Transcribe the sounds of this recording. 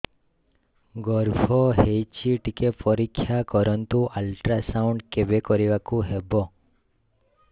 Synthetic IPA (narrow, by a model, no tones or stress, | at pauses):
ɡɔɾbʱɔɦejt͡ʃʰiʈikepɔɾikʰːjakɔɾɔnt̪uʔalʈɾasauɳɖkebekɔɾiʋakuɦebɔ